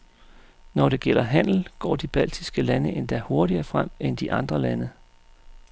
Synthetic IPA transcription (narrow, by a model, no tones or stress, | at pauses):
nɒɾ̥e̝ɡ̥el̰ɐɦæn̰l̩ɡ̥ɒ̰ːd̥ib̥æl̰d̥isɡ̥əlænəʔend̥æho̝ɐɾiɐːfʁam̰end̥iʔɑ̈nd̥ʁɐlænə